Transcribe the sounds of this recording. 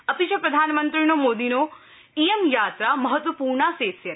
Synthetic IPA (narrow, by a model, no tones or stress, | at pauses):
ɐt̪iʃɐpɾɐd̪ʱaːnmənt̪ɾinomoːd̪ino | ijemjaːt̪ɾamɐɦət̪ʋɐpuːɾɳaseːsjɐ